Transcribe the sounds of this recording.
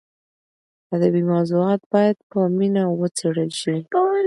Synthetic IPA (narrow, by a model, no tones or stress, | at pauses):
ad̪abimawzuɑt̪̚bɑjad̪pəminawət͡seɽəlʃi